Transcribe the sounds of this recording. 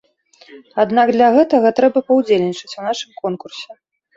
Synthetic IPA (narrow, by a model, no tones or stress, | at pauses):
ad̪naɡd̪lʲɐɣɛt̪ɐɣɐt̪ɾɛbɐpɐwd͡zʲelʲnʲit͡ʂɐt͡sʲunaʂɨmkɔnkursʲɛ